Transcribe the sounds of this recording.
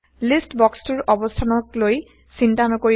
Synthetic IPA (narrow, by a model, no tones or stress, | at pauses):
listbɔkstuɹʔɔbɔstʰanɔkloj | sintanɔkoɹi